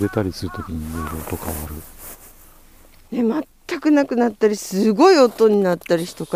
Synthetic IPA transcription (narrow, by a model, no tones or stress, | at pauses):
d̪et̪aɾʲisɨɾɯ̟t̪o̞kʲiɲ̟imeɾoːt̪o̞kʰaβaɾɯ̟ | ne̞mat̪ːakɯ̟nakɯ̟nat̪ːaɾʲisɨɡo̞io̞t̪o̞ɲ̟inat̪ːaɾʲiçi̥t̪o̞ka